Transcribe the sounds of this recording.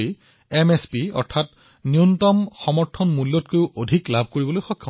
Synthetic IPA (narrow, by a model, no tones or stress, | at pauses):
emespiɔ̰ɹtʰat | niuntɔmxɔmɔɹtʰɔnmulːɔtkojʊʔodʱiklabʱkoɹibɔlojxɔkʰːa